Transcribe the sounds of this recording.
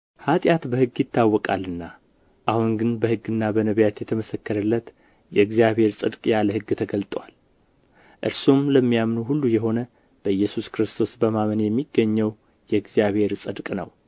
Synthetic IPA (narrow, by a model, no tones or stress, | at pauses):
hat̪ʼjat̪bəhɨɡːjɪt̪ʰːawːɔkʼa̰lːɨnːa | ʔahunɡɨnbəhɨɡːɨnːabənəβjat̪jɛt̪ʰəməsəkːəɾəlːət̪ | jɛɨɡzijaβhe̞ɾsʼɨd̪kʼjaləhɨɡːt̪ʰəɡəlt̪ʼwal | ʔɨɾsumləmːijamnuɦulːujɛɦo̞nə | b̥əɨjːɛsuskɾɨst̪ʰo̞sbəmamənjɛmːiɡːəɲːəw | jɛɨɡzijaβhe̞ɾsʼɨd̪kʼnə̰w